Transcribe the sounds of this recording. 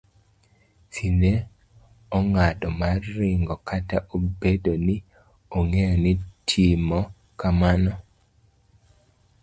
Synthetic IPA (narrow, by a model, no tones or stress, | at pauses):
sine | ɔŋadɔmarːɪŋɡɔkʰataʔobedonɪ | oŋejɔnitʰimɔ | kamanɔ